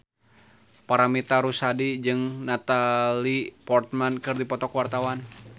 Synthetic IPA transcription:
paɾamit̪aɾusadid͡ʒɨŋnat̪alipɔrt̪̚mankɨrdipɔt̪ɔkwart̪awan

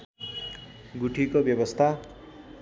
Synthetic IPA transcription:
ɡuʈʰikobjʌbʌst̪ʰa

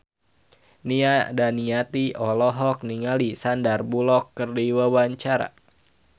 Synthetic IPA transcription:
niadaniat̪iɔlɔɦɔk̚niŋalisandarbulɔkːərdiwawaɲt͡ʃaɾa̰

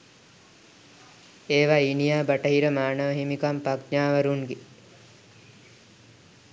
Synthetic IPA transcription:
eːʋainijaːbaʈəɦiɾəmaːnəʋəɦimikampakɲaːʋəɾuŋɡe

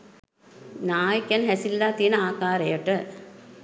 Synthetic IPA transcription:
naːjkjɛnɦæsilːaːt̪ijənəaːkaːɾejəʈə

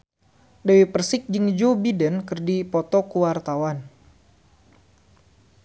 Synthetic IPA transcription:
dawipərsɪk̚d͡ʒɨŋd͡ʒobidənkərdipɔt̪ɔkuwart̪awan

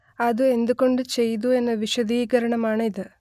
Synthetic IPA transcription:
ɐd̪ue̞nd̪uko̞ɳɖut͡ʃe̞jd̪̬ue̞nːɐʋiʂɐd̪iːɡɐɾɐɳɐmaːɳid̪ɨ

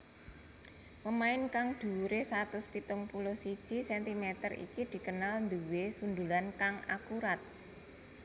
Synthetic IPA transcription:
pəmaɪnkaŋd̪̥uɾesat̪ʊspit̪ʊŋpulosid̥ʒ̥isɛnt̪imet̪ərḭkid̪̥i̤kənalnd̪uwesund̪ulankaŋa̰kuɾat̪̚

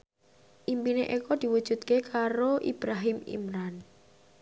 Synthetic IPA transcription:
ʔimpineʔekɔd̪̥i̤wud̥ʒ̥ṳt̪̚kekʰaɾoʔḭb̥ɾaɦɪmḭmɾan

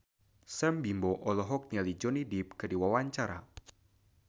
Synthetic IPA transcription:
sɛmbimbɔʔɔlɔɦɔk̚ɲalid͡ʒɔnidip̚kɨdiwawaɲt͡ʃaɾa̰

